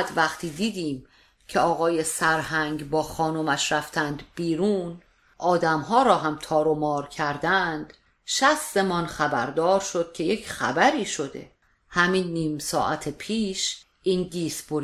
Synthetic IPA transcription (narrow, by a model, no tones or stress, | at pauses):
d̪væχt̪ʰiːd̪iːd̪iːm | cʰeɒːɣɒːjesæɾhæŋɡbɒːxɒːnomæʃɾæft̪ʰænd̪b̥iːɾuːn | ʔɒːd̪æmɦɒːɾɒːɦæmt̪ʰɒːɾomɒːɾcʰæɾd̪ænd̪̥ | ʃæszemɒːnxæbæɾd̪ɒːɾʃo̞d̪̥kʲʰe̞je̞cʰχæ̰bæɾiːʃo̞d̪e̞̰ | hæminːiːmsɒ̰ːʔæt̪ʰepʰiːʃ | ʔiːnɡ̪iːsb̥oɾ